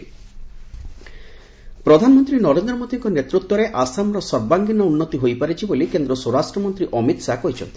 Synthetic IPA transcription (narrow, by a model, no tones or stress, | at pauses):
pɾɔd̪ʱanɔmɔnt̪ɾinɔɾend̪ɾɔmod̪iŋkɔnet̪ɾut̪wɔɾeʔasamɾɔsɔɾbaŋɡinɔunːɔt̪iɦojpaɾet͡ʃʰibolikend̪ɾɔsoɾasʈɾɔmɔnt̪ɾiʔɔmit̪sakɔɦit͡ʃʰɔ̰nt̪i